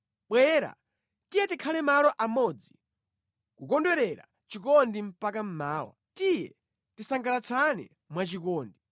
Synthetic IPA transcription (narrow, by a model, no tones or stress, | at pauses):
ɓwɛːɾa̰ | tijɛtikʰalɛmalɔʔamɔd͡zi | kukɔndwɛɾɛɾa̰ | t͡ʃikɔndim̩pakam̩maːwa̰tijɛ̰ | tisaŋɡalat͡sʰanɛ̰ | mwat͡ʃikɔːndi